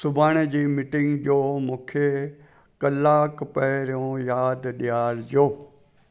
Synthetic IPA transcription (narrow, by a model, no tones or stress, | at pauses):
sʊbʱaːɽ̃ed͡ʑiːmɪʈɪ̃ŋɡd͡ʑoːmũːkʰe | kɐlːaːkpɐɦɾijõjaːd̪ɗijaːɾd͡ʑoː